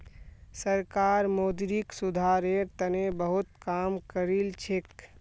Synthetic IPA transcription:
səɾkaːɾmoːd̪ɾiksʊd̪ʱaːɾeɾt̪ənebəɦʊt̪kaːmkəɾilt͡ʃʰek

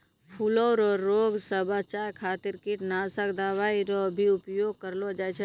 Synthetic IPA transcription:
pʰuloɾɔːɾːoːɡsəbat͡ʃaːɾkʰaːt̪ɪɾkɪʈnaːsəkd̪aːʋaːiɾobʱiʊpjoːɡ̚kəɾlod͡ʒajt͡ʃʰ

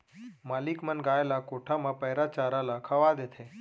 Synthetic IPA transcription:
malikmənɡaelakoʈʰamãpəɦjɾat͡ʃaɾalakʰəʋad̪et̪ʰe

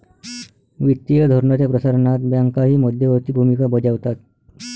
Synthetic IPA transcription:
ʋit̪ːijəd̪ʱɔɾɳat͡ɕjapɾəsaɾnat̪bjaŋkaɦiːməd̪ʱjəʋət̪iːbʱumikabəd͡ʑaʋt̪at̪̚

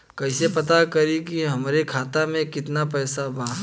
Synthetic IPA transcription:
kɐɪsepɐt̪akɐɾikiɦɐmɾekʰaːt̪amẽkɪt̪napɛːsabaː

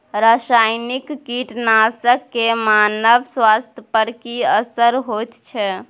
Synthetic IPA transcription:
ɾasajnikːiʈnasəkːemanəbswast̪ʰjəpəɾkiəsəɾɦot̪t͡ʃʰɛ

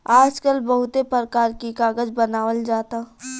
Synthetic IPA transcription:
aːd͡ʒkəlbɐɦʊt̪epəɾəkaːɾkikaːɡəd͡ʒbənaːwəld͡ʒaːt̪a

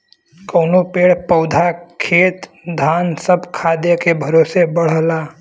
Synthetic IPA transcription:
kənopeːɽpəʊd̪ʱakʰeːt̪ | d̪ʱaːnsəbʱkʰaːd̪jəkebʱəɾoːsebəɽ̤əla

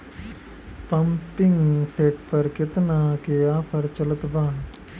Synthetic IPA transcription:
pəmpɪŋɡseːʈpəɾkɪt̪nakeaːpʰəɾt͡ʃələt̪baː

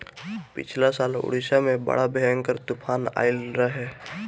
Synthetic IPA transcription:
pɪ̰t͡ʃʰlasaːlʊ̰ɽisamẽbə̰ɽ̤abɛŋkəɾt̪ʊpʰaːna̰ːɪlɾəɦe

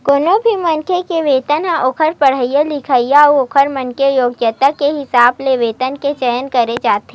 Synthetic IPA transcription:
koːnobʱimɐnkʰekeʋeːt̪ənãʔokʰəɾpəɽ̤əijəlɪkʰaijaoːkʰəɾmɐnkejoːɡjət̪akeɦɪsaːbleʋeːt̪ənket͡ʃəjənkɐɾed͡ʒaːt̪e

